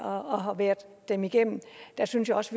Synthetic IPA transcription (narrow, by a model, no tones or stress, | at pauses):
ɒɒɦɑʋæːɐd̥ːemiɡ̥em̰m̩d̥æsynsjaɒ̽sʋ